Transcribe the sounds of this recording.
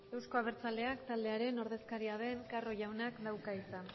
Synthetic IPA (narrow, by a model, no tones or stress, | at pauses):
e̞wsko̞aβ̞eɾt͡sald̪e̞akt̪ald̪e̞aɾe̞no̞ɾð̞e̞skaɾiað̞e̞ŋkaro̞ʝawnakd̪awkaisan